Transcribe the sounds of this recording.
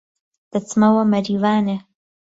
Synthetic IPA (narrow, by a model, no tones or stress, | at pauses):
d̪̥ɐt͡smɐwɐmɐɾiːvaːne